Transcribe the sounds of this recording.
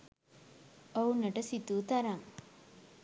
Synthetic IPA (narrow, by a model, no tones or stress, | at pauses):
ownːɐʈɐsit̪uːt̪ɐɾaŋ